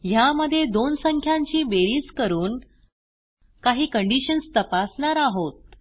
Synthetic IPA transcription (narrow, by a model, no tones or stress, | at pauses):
jaməd̪ʱːjed̪onsəŋkʰjaɲt͡ɕiːbeɾiːskəɾuːn | kaɦiːkəɳɖiɕənst̪əpasnaɾaɦot̪̚